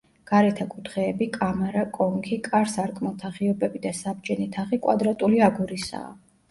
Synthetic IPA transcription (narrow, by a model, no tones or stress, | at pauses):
ɡ̥aɾɛt̪ʰakʼut̪ʰχɛːbikʼamɛɾakʼɔŋkʰikʼaɾsaɾkʼmalˠt̪ʰaχiɔbɛbid̪asabd͡ʒɛnit̪ʰaχikʼwa̰d̪ɾat̪ʼuliaɡuɾisa̰ː